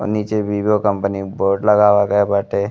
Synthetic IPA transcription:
nit͡ʃeʋibjokəmpəniboːɾɖləɡaːʋaɡəjabaʈe

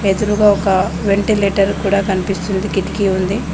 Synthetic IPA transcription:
ed̪uɾuɡaːɔkɐʋeɳʈileːʈɐɾkuːɽaːkɐnipist̪und̪ikiʈ̪ikiund̪i

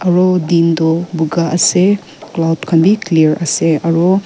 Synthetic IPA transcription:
ɐɾɔdindɔbuɡaɐse | klawdkʰɐnbikliɾɐseɐɾɔ

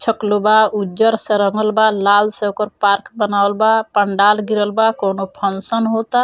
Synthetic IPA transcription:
t͡ʃʰɔklobaud͡ʒəɾseɾɔŋɔlbalalseokɔɾpaɾkbənawlbapəɳɖalɡiɾəlbakonopʰɔnsənɦot̪a

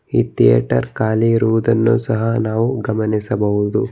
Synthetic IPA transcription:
iːt̪ijɐ̰ʈɐɾkaːliɾuːd̪ɐnːusɐɦɐnaːʋuɡɐmɐnisɐbɐɦud̪u

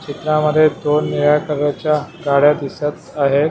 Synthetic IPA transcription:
t͡ɕit̪ɾaməd̪ʱːjed̪onːiɭakəɾət͡ɕjaɡaɽjad̪isət̪aɦet̪

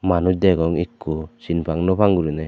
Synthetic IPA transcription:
manudɛɡɔŋikːusinpʰaŋnɔpaŋɡuɾinɛ

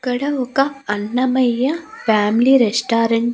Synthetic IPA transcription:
kɐɽɐʋokɐɐnːɐmɐjɐfaːmliɾesʈaːɾɐɳʈ

